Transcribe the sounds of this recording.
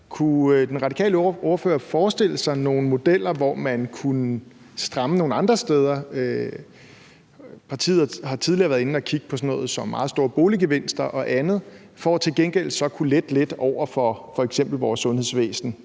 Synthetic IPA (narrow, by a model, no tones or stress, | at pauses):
kʰud̥enʁɑ̈d̥ikʰɛ̰ːləʔɔɐfø̰ːɐfɒːsd̥e̝ləsɑ̈ɪno̝ːn̩mo̝d̥el̰ɐʋɒmænkʰunə | sd̥ʁɑ̈məno̝ːn̩ɑ̈nd̥ʁɐsd̥eːð̞ˠɐø | pʰɑ̈t͡sʰḭːðˠɦɑ̈t͡sʰið̞ˠliɐʋæɐðˠe̝n̩ɒkʰiɡ̥əpʰɒ̽sɒ̽nɔ̰̽ːð̩ˠsɒ̽mːɑ̈ːð̩ˠsd̥o̝ːɐb̥o̝ːliɡ̥eʋe̝n̰sd̥ɐʔɒ̽ʔænð̩ˠ | fɒt͡sʰe̝lɡ̥enɡ̥el̰sɒ̽kʰuled̥led̥ɒʊ̰ɐfɒ̽fɒ̽eɡ̥sem̰b̥l̩ʋɒːsːɔ̽nhe̝ðˠsʋḛːsn̩